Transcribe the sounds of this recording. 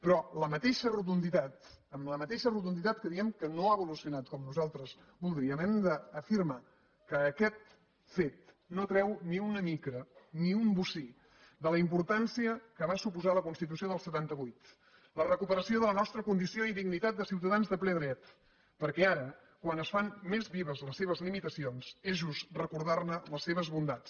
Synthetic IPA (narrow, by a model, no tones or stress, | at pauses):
pɾɔləmət̪eʃərut̪und̪it̪at̪əmləmət̪eʃərut̪und̪it̪at̪̚kəðiɛmkənoaβulusiunat̪̚kɔmnuzalˠt̪ɾəz | bulˠd̪ɾiəmɛnd̪əːfiɾma | kəːkɛt̪ | fet̪̚ | not̪ɾɛwniunəmikɾəniumbusi | d̪ələimpuɾt̪ansiəkəβ̞asupuzaləkunst̪it̪̬usioðəlˠsət̪ant̪əβujt̪ | lərəkupəɾəsioðələnɔst̪ɾəkund̪isioiðiɡnit̪at̪̚d̪əsiwt̪əðanzðəplɛðɾɛt̪ | pəɾkɛaɾə | kwanəsfanmezβiβəzləsːeβ̞əzlimit̪əsionsezʒust̪rəkuɾðarnələsːeβ̞əzβund̪at͡s